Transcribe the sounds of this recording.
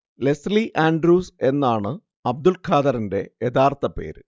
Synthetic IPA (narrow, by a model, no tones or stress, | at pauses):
le̞sliʔaːɳɖɾuːse̞nːaːɳɨ | ɐb̚d̪ulkʰaːd̪ɐɾinde̞jed̪aːrt̪ʰɐpe̞̰ːɾɨ